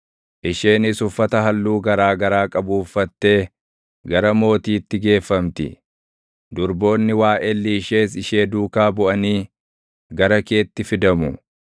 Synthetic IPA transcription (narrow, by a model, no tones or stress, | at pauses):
ʔɪʃeːnɪsʊfːɐt̪ɐɦɐlːuːɡɐɾaːɡɐɾaːkʼɐbuːfːɐt̪ːe̞ː | ɡɐɾɐmo̞ːt̪iːt̪ːɪɡe̞ːfːɐmt̪ɪ̰ | d̪ʊɾbo̞ːnːɪwaːʔɛlːiːʃe̞ːsɪʃe̞ːd̪uːkaːbʊʔɐniː | ɡɐɾɐke̞ːt̪ːɪfɪd̪ɐmʊ